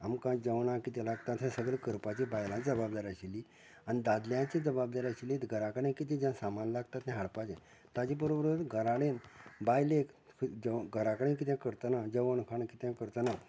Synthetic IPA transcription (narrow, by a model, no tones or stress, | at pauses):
amkãd͡zəʋɳãkit̪ɛ̃laɡt̪at̪ɦɛ̃səɡɭekəɾpat͡ɕibajlãd͡zəbab̚d̪aɾaɕili | anid̪ad̪ljãt͡ɕid͡zəbab̚d̪aɾaɕilẽt̪ɡʱəɾakɽẽkit̪̬ẽd͡ʑãsamanlaɡt̪at̪ɦɛ̃ɦaɽpat͡ɕɛ̃ | t̪ad͡ʑẽbəɾobəɾət̪ɡʱəɾaɽenbajlek | əɡʱəɾakɽẽnk̬it̪jãkəɾt̪ənad͡ʑəʋəɳkʰaɳkit̪jãkəɾt̪əna